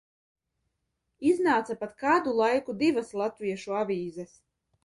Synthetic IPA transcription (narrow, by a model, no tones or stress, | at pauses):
iznaːt̪sapat̪kaːd̪ulˠajkud̪ivaslˠat̪vʲiɛʃuavʲiːzɛs